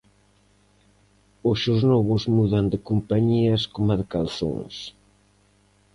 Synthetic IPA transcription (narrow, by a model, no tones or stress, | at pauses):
osʃoznɔβʊzmuðand̪ɪkompaɲiɐskomaðɪkanθõ̰ŋs